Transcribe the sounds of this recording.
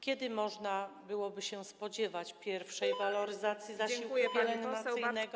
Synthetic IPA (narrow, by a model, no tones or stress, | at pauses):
kʲɛd̪ɘmɔʐnabɘwɔbɘɕɛspɔd͡ʑɛvat͡ɕpʲjɛɾfʂɛjvalɔɾɘzat̪sʲjizaiwupʲɛlɛnnasɘnɛɡɔ